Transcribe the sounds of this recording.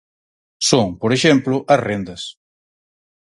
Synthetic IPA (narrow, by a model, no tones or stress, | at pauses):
soŋpoɾeʃemplʊʔɐrend̪ɐs